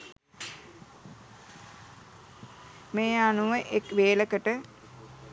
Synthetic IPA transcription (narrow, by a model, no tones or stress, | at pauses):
meːanuʋəʔekʋeːləkəʈə